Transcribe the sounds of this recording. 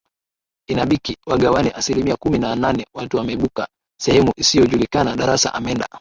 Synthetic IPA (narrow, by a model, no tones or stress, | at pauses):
inaɓikiwaɠawaniʔasilimiakuminananɛwatuwamɛiɓuka | sɛhɛmuʔisijɔʄulikanaɗaɾasa̰ʔamɛnda̰